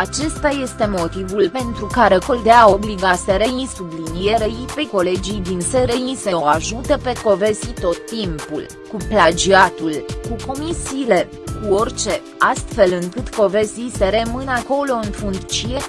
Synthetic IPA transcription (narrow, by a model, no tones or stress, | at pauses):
at͡ʃe̞st̪aje̞st̪e̞mo̞t̪ivulpe̞nt̪ɾukaɾe̞kold̪eaobliɡaseɾeisublinije̞ɾeipe̞ko̞le̞d͡ʒijd̪inseɾeiseoaʒut̪əpe̞ko̞ve̞zit̪o̞t̪ːimpṵl | kuplad͡ʒiat̪ulkuko̞misiːle̞ | kuo̞rʲt͡ʃe̞ | ast̪fe̞lɨŋkɨt̪ko̞veziseɾemɨnako̞lo̞ɨnfuŋkt͡ʃije̞